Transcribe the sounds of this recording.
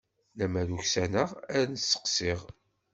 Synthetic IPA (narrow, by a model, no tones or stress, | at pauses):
næmæɾuçsænəʁæɾnəsːə̥qsiʁ